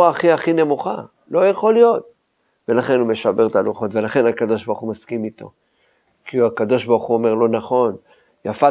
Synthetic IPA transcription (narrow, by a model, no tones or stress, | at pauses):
aːχiaχine̞muχa | lo̞jaχo̞lijo̞t̚ | ve̞laχe̞nume̞ʃabe̞ʁt̪aluχo̞t̪ve̞laχe̞nakad̪o̞ʃbaʁχumaskimit̪o̞̰ | kiuakad̪o̞ʃbaʁχuome̞ʁlo̞naχo̞n | jafa